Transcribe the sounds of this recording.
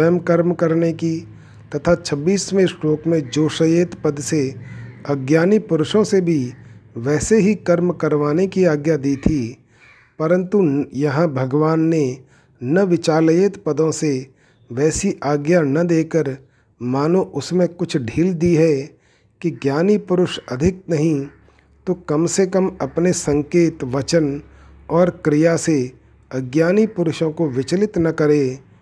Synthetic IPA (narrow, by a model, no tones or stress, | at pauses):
əjəmkəɾmkəɾneki | t̪ɐt̪ʰat͡ʃʰɐbːiːsmẽsʈoːkmẽd͡ʒoːʃəjeːt̪pəd̪seɐɡjaːnipʊɾʊʃõsebʱiʋɛːseɦikəɾmkəɾʋaːnekiaːɡjad̪iːt̪ʰi | pəɾə̃nt̪ujɐɦãbʱɐɡʋaːnːe | nɐʋɪt͡ʃaːljeːt̪pəd̪õse | ʋɛːsiʔaːɡjanɐd̪eːkəɾ | maːnõʔʊsmẽkʊt͡ʃʰɖʱiːld̪iɦɛ | kiɡjaːnipʊɾʊʃɐd̪ʱɪk̚nɐɦĩ | t̪okɐmsekəmɐpnesɐ̃ŋkeːt̪ʋɐt͡ʃən | ɔːɾkɾɪjase | ɐɡjaːnipʊɾʊʃõkoʋɪt͡ʃlɪt̪nɐkɐɾeː